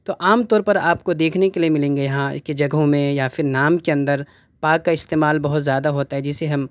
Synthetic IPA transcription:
t̪oʔaːmt̪ɔːɾpɐɾaːpkod̪eːkʰnekeliemɪlẽːŋɡejɐɦãked͡ʒɐɡɦõmẽjafʰɪɾnaːmkeɐ̃nd̪əɾ | paːkːaɪst̪eːmaːlbɐɦʊt̪zjaːd̪aɦoːt̪aɦɛd͡ʒɪseɦɐm

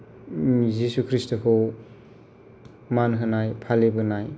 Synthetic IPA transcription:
zisukʰɾistakʰɯw | manɦɯnajpʰalebɯnaj

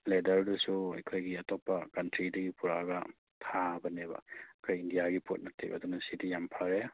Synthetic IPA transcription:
ledɐɾdusuɐ̰jkʰojɡiɐtopːɐkɐntɾidɐɡipʰuɾaɡɐ | tʰabɐnebɐ̰ɐkʰojindijaɡipot̚nɐtʰḛbɐ̰d̪unɐsidijampʰaɾe

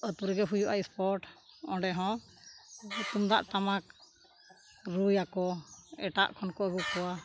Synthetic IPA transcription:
ət̪uɾɡɛɦujuʔaispɔɾʈɔ̃ɖɛɦɔ̃ | t̪umd̪a̰ʔt̪amak | ɾujakɔɛʈa̰ʔkʰɔnkɔɛɡukːɔwa

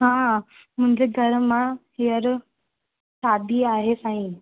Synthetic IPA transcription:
ɦã | m̤ũɲd͡ʑeɡʱəɾma | jəɾ | sad̪ʱiaɦesaɦĩ

